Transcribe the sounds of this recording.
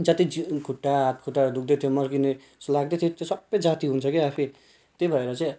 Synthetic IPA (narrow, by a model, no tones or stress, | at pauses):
d͡zat̪id͡zkʰuʈːaat̪̚kʰuʈːaɾd̪uk̚d̪et̪ʰjomʌrkine | slaɡ̚d̪et̪ʰjot̪josʌbːʌjd͡zat̪iɦunt͡sʰʌkeapʰi | t̪ejbʱʌeɾʌt͡saĩ